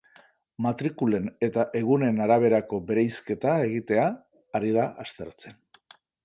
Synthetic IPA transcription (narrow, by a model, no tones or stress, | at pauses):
mat̪ɾikule̞ne̞t̪aʔe̞ɣ̞une̞naɾaβ̞e̞ɾako̞βe̞ɾejske̞t̪ae̞ɣ̞it̪e̞aː | ɾiðaʔast̪e̞ɾt͡se̞n